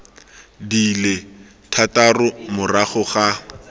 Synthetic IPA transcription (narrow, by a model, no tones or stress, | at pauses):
dile | tʰatarʊmʊraχʊχa